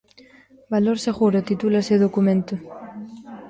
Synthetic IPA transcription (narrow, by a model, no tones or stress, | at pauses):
baloɾseɣuɾot̪it̪ulaseðokumẽnt̪o